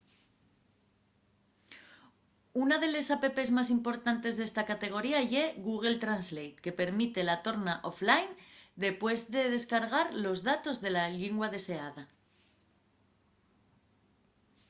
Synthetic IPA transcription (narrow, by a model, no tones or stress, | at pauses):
unaðe̞le̞sape̞pe̞zmas̬impo̞ɾt̪ant̪e̞zðe̞st̪akat̪e̞ɣ̞o̞ɾiaeɣuɣ̞e̞lt̪ɾanzlejt̪ke̞pe̞ɾmit̪e̞lat̪o̞ɾnaʔoflajnd̪e̞pwe̞zðe̞ðe̞skaɾɣ̞aɾlo̞zðat̪o̞zðe̞laʎiŋɡwað̞e̞se̞aða